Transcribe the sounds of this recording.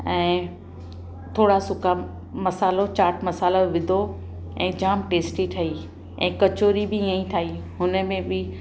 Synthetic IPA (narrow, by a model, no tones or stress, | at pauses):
ɛ̃ː | t̪ʰoːɽasʊkʰa | mɐsaːlot͡ɕaːʈʰmɐsaːloʋɪd̪ʱo | ɛ̃ːd͡ʑaːmʈeːsʈit̪ʰɐi | ɛ̰̃ːkɐt͡ɕoːɾibɪiãĩt̪ʰaːiɦʊnə̆mẽbɪ